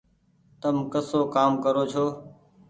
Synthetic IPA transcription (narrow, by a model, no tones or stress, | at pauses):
t̪əmkəsoːkaːmkəɾoːt͡ʃʰoː